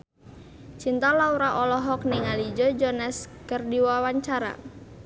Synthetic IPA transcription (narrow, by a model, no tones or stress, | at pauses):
t͡ʃint̪alauɾaʔɔlɔɦɔk̚niŋalid͡ʒɔd͡ʒɔnɛskərdiwawaɲt͡ʃaɾa̰